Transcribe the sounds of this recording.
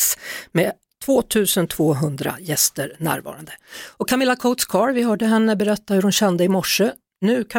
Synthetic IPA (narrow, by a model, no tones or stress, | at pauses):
smeː | t̪ʰv̥oːt̪ʰʉ̟ːsənt̪ʰvoːɦɵnd̪ɾa̰jɛst̪əɾnæ̰ːɾvɑ̰ːɾa̰nd̪əɔkʰːamɪlːakʰɔʊt̪skʰɑːɾvɪɦœːɖəɦɛnːəbɛɾɛt̪ːahɵɾhʊnɕɛnd̪əɪmɔʂːə | nʉ̟ːkʰa